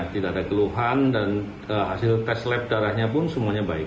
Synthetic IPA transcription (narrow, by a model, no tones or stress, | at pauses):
t̪idaadakəluɦandan | əɦasɪlt̪ɛslɛp̚daɾahɲapʊnsəmuaɲabaɪk